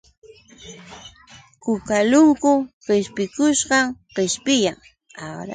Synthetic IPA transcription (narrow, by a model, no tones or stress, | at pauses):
kʊkalʊŋkʊɢɪʃpɪkʊʃɢɑŋɢɪʃpɪjaŋ | awɾa̰